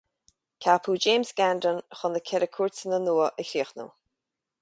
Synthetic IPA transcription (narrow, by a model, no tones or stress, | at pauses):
kʰapʰuːd͡ʒeːmsɡandənxʊnəkʰɛɾəkʰuɹt͡sənənuːəʔəɾiːxnṵ